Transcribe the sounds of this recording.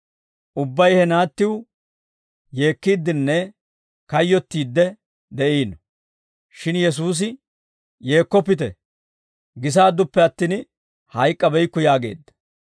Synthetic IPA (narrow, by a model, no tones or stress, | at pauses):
ʔʊbːɐjhɛnaːt̪ːɪw | je̞ːkːiːd̪ːɪnːɛ | kɐjːɔt̪ːiːd̪ːɛ | d̪ɛʔiːnɔ | ʃɪnjɛs̬uːs̬ɪ | je̞ːkːɔpːɪt̪ɛ̰ | ɡɪs̬aːd̪ːʊpːɛɐt̪ːiːn | hɐjkʼːɐbɛjkːʊjaːɡe̞̰ːd̪ːɐ̥